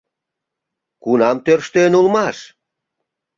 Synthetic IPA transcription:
kunɑmt̪ørʃt̪enulmɑʃ

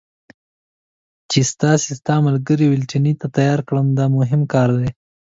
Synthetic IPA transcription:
t͡ʃest̪ɑsest̪ɑmalɡəɾiwɪlʈinit̪at̪ajɑɾkɽəmd̪ɑmʊɦɪmkɑɾd̪e

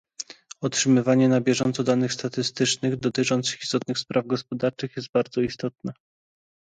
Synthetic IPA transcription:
ɔtʂɘmɘvaɲɛnabʲjɛʐɔnt̪sɔd̪anɘxst̪at̪ɘst̪ɘt͡ʂnɘɣd̪ɔt̪ɘt͡ʂɔnt̪sɘxi̥st̪ɔt̪̚nɘxspɾʔavɡɔspɔd̪aɾt͡ʂɘxjɛs̬t̪̚baɾd̪zɔist̪ɔt̪nɛ

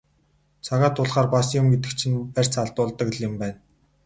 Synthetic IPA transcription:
t͡sʰaʁaːt̪ʰːʊɮχaːrpasjʊmɡet̪̬ɘ̆kt͡ɕʰĭnpær̥ʲt͡sʰaɮt̪ʊːɮt̪ə̆kɮɪ̆mpæːn

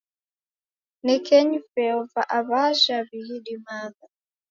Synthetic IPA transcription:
nikɛɲufɛɔvaʔaβaʒaβihiɗimaða

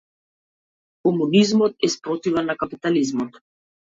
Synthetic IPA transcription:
kɔmunizmɔt̪̚ɛspɾɔt̪ivɛnːakapit̪alizmɔt̪

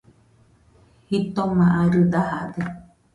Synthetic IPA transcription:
hit̪omãʔaɾɨd̪ahad̪e

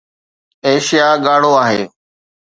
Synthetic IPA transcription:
eːʃijaːɠaːɽ̤oːaːɦeː

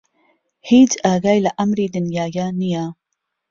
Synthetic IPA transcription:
hiːd͡ʒʔaːɡajlaʔɐmɾiːd̪ɪnjaːjaːnijaː

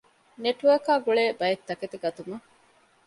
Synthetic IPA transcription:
neʈʋɐkaːɡuɭeːbɐjet̪ːɐket̪eɡɐt̪umɐ

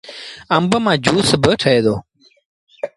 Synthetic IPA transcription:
əmbəmãːd͡ʑuːsbəʈʰəeːd̪oː

